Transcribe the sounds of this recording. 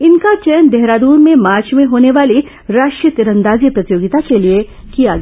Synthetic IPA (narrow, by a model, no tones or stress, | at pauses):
ɪnkat͡ʃɛːənd̪ɛɦɾaːd̪uːɾmẽmaːɾt͡ʃmẽɦoːneʋaːli | ɾaːʃʈjət̪ɪɾə̃nd̪aːzijəpɾɐt̪ɪjoːɡɪt̪akelie | kijaɡ